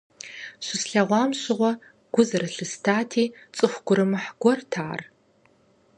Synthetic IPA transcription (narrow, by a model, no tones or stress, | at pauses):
ɕʷɪsɬɐʁʷɑːmɕɪʁʷɔ | ɡ̥ʷʊzɐɾɐɬɨstʰaːtʰiːt͡sʼɨχʷɡʷʊɾɨmɨħɡ̥ʷɔrtʰaːr